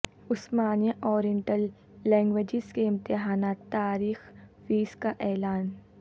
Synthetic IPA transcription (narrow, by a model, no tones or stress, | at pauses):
ʊsmaːnjəʔɔːɾiə̃ɳʈəlː | ɛ̃ːŋɡʋed͡ʒɪzkeɪ̃mt̪ɪɦaːnaːt̪ːaːɾiːxfiːzkaʔɛːlaːn